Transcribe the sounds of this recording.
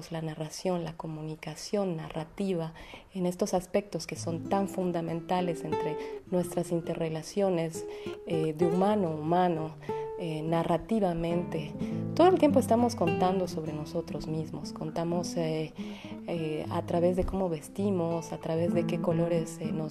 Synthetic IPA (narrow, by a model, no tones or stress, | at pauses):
zlanarasjo̞nlako̞mũnikasjo̞nːarat̪iβaene̞st̪o̞saspek̚t̪o̞ske̞sont̪aɱfund̪amẽnt̪ale̞se̞nt̪ɾe̞nwe̞st̪ɾasint̪e̞re̞lasjo̞ne̞zeðeumãno̞umãno̞ | enarat̪iβamẽ̞nt̪e̞t̪o̞ðoelt̪jemp̬oe̞st̪amo̞sko̞nt̪and̪o̞so̞βɾe̞no̞so̞t̪ɾo̞zmizmo̞sko̞nt̪amo̞se | ea̰t̪ɾaβe̞zðe̞ko̞mo̞βe̞st̪imo̞sat̪ɾaβe̞zðe̞ke̞ko̞lo̞ɾe̞seno